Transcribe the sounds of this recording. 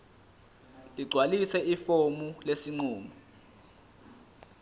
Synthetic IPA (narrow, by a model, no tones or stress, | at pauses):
liɡ͡ǀʱwalisɛʔifomulesiŋ͡ǀuːma